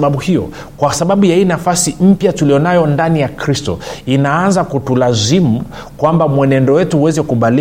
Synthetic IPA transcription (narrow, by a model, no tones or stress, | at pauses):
ɓaɓuhijɔ̰ | kwasaɓaɓujainafasim̩pjatulijɔnajɔndanijakɾistɔ̰inaanzakutulazimu | kwambamwɛnɛndɔwɛtuhuwɛzɛkuɓali